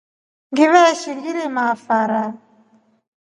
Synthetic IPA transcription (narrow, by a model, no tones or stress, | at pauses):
ŋɡiβɛʃiŋɡiɾimafaɾa